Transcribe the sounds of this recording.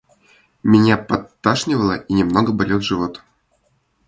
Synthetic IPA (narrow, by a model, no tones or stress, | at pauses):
mʲenʲapat̪ːaʂnʲɪvəlˠɤʔinʲemnoɡɤbolʲelˠʐɨvot̪